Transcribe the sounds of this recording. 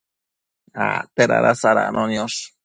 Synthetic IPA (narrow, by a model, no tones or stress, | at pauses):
a̰t̪eɾa̰ɾasaɾa̰nʔonjoʂ